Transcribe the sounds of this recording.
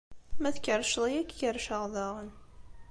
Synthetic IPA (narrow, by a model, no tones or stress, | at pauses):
mæθkəɾʃlˤijækːjəɾʃəʁðɑʁən